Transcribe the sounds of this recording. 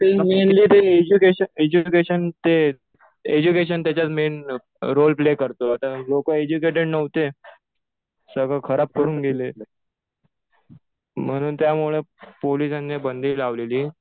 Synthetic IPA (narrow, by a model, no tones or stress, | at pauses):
t̪emenliːt̪eed͡ʑukeɕəed͡ʑukeɕənt̪e | ed͡ʑukeɕ̬ənt̪jat͡ɕat͡smen | ɾolplekəɾt̪oat̪alokəed͡ʑukeʈ̬eɽnəʋt̪e | səɡʱəkʰəɾap̚kəɾuːnɡele | m̤əɽ̃uːnt̪jamuɭepolisanːebənd̪ʱiːlaʋleliː